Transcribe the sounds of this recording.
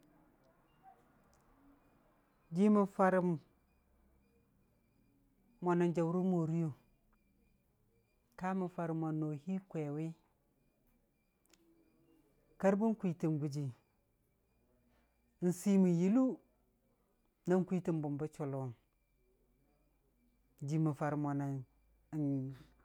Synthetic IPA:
d͡ʒi˦mu˨fa˦ɾi˨m | mo˨na˨nd͡ʒa˨wu˦ɾu˦mo˨ɾi˦jo˨ | ka˦mu˨fa˨ɾi˨ma˨no˨hi˦kʷe˨wi˦ | ka˦ɾbu˦n˦kʷi˨ti˨nɡu˨d͡ʒi˨˦ | n̩˨si˦mi˨ji˦lu˦ | na˦n˦kʷi˦ti˦˨mbu˨mba˦t͡ʃo˨lo˨n˦ | d͡ʒi˨mu˨fa˨ɾi˨mo˨na˨n˨ | n

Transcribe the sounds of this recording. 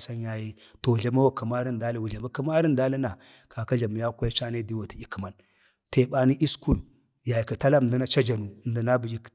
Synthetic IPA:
sa˦ja˨ji˦to˨wu˨ɮa˦ma˦wa˦˨ka˨ma˦ɾi˦nda˦li˦wu˨ɮa˨ma˦ka˦ma˦ɾi˦n˦da˦li˦na˨ka˨ka˦ɮa˨m˨ja˦kʷa˦t͡ʃa˦ne˦di˦wa˨ti˨i˦ki˨ma˨n | te˨ɓa˨ni˦ʔi˦sku˦ɾ | ja˨ji˨ka˨ta˦la˦˨di˦na˦t͡ʃa˦d͡ʒa˨nu˨n˨da˨na˦bi˨ji˦k

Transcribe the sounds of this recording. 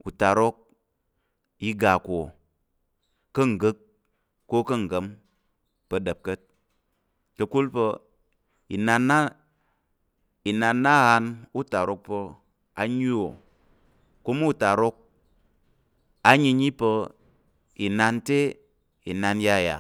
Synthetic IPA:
u˨ta˨ɾo˦k̚ | ji˧ɡa˨ko˨ | ə˦ŋ̩˨ɡɨ˦k | ko˦kə˦˨ŋ̩˨ɡə˨˦m | pə˧də˨p̚kə˦t̚ | kə˧ku˦lpə˧ | i˨na˧nːa˦ | i˨na˧nːa˦˨ha˧nu˦ta˨ɾo˧˦k̚pə˧ | a˧ɲi˦o˨ | ku˦m˦u˨ta˨ɾo˧k̚ | a˦ɲi˧ɲi˦pə˧ | i˨na˧nte˦ | i˨na˧nja˦˨ja̰˨

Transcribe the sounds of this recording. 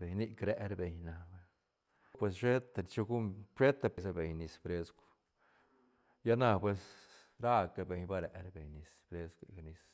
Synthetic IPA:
be˨ɲni˦kɾe˧ɾbe˨ɲna˨be˧ | pwe˧s̬ʂe˦t̪t͡ʃo˧ɡu˦mpɾe˦t̪a˧be˨sa˧be˨ɲni˧spɾe˧sk | ja˦na˧pwe˧s | ɾa˦ka˨be˨˧ɲba˦ɾe˨ʔɾbe˨ɲni˨spɾe˦sɡʷni˧s

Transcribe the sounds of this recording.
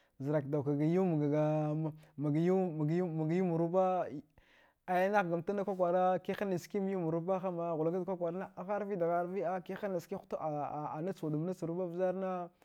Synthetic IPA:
zə˨ɾa˨kda˨wka˨ɡa˨ju˦m˨ɡa˨ɡa˨ | ma˨ɡju˦m˨ɡu˦ma˨ɡju˦mu˨ɾu˦ba˦ | a˨ja˦na˦ɣɡa˨m˨ta˦na˦kʷa˦kʷa˨ɾa˦ki˦a˦ni˨ski˦m˦ju˦mu˨ɾu˦ba˦xa˦ma˨ɣu˨la˦ɡa˦da˨kʷa˦kʷa˨ɾa˦na˦a˨xa˦ɾvi˦da˨ɣa˦ɾvi˦a˦ki˦a˦ni˨ski˦xu̥˦ta˨na˦t͡su˨du˨m˦na˦t͡su˨ɾu˦ba˦vza˦ɾna˦

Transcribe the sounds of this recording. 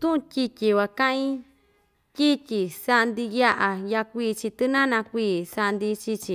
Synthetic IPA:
t̪ũ˦ʔũ˧tʲi˧tʲi˧wa˨kã˦ʔĩ˦ | kʲi˦tʲi˨sa˧nd̪i˧ja˦ʔa˨ja˧kʷiː˦˧˨t͡ʃi˧t̪ɨ˦nã˦nã˧kʷiː˧˨sa˧nd̪i˧t͡ʃi˧t͡ʃi˧

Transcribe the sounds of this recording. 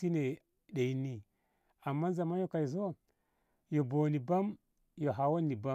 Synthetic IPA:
i˦ne˨ | ɗe˨ji˦nːi˦ | a˨mːa˦n˦za˨ma˦jo˦ka˨i˨zo˦ | jo˨bo˨ni˨ba˦m | jo˨ɦa˨wo˦nːi˨ba˦

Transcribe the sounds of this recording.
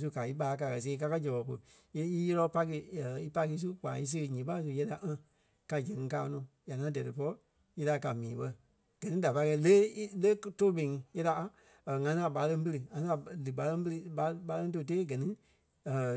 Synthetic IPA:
s̬u˧ka˨i˦ɓa˧˦˧k̬a˨kɜ˨s̬eː˧˦ka˧ka˦d͡ʒɛ˨ɓɔ˨ko˧˨ | e˧˦i˦jɛ˦lɔ˧˦pa˧˦k̬ɨ˧˨i˦pa˧ki˧˦s̬u˦k͡paː˨i˧s̬ɨ˦˧ɣɲĩ˨˦pa˦s̬u˧jɛ˧˦da˨ʔã˦ | ka˧d͡ʒɛ̃˨ŋ̃˧kaː˦˧nɔ̃ː˨ja˨ŋã˨˦dɛ˨ɾɨ˨pɔ˧ɔ˦ | je˧la˧˨ka˨mĩː˨˦ɓɜ˧ | ɡ̥ɜ˨nĩ˦da˨pa˧˦kɛ˧ləː˦i˦ləː˦to˦ɓẽ˨ŋ˧jɛ˦da˧˨ | ŋã˧˦ã˧˨ɓa˨˧˦lə̃˧ŋ˦pə˧lɨ˧˨ŋã˧sã˧˨lɨ˨ɡ͡ba˨˦lə̃˧ŋ˦bə˧lɨ˧ɓa˧˦ɓa˧˦lə̃˧˦t̬o˧˨t̬eː˦ɡɜ˨nĩ˦˨

